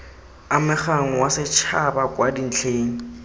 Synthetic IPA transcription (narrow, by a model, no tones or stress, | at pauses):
amɪχaŋ̩wasɪt͡ʃʰabakʼwadin̩t͡ɬʰeːŋ̩